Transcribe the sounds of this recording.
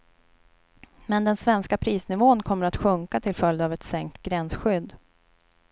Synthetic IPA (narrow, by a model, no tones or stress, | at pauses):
mɛnd̪ɛnsvɛnskapʰɾiːsnɪvoːənkʰɔmːəɾat̪ɧɵŋkat̪ʰɪlfœld̪avɛt̪sɛŋk̚t̪ɡɾɛnsɧʏd̪ː